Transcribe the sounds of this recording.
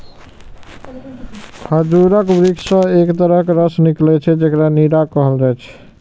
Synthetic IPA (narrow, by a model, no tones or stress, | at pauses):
kʰəd͡ʒuɾəkbɾiksə̃ekt̪əɾəɦkɾəsniklɛt͡ʃʰɛd͡ʒekɾaniɾakɔɦəlɾɔt͡ʃʰɛ̥